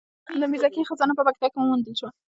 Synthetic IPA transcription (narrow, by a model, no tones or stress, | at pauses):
d̪əmizakixəzɑnapəpak̚t̪akɪmuwund̪əlʃwa